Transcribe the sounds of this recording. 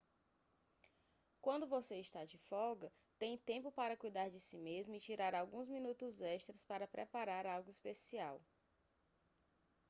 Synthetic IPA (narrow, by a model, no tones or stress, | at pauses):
kwɐ̃nd̪ʊvoseiʃt̪ad͡ʒɪfɔɡɐ | t̪ẽj̃t̪ẽpʊpaɾɐkujd̪aɾd͡ʒɪsimezmʊit͡ʃiɾaɾawɡũzmĩnut̪ʊzɛʃt̪ɾɐspaɾɐpɾɛpaɾaɾawɡʊispesiaw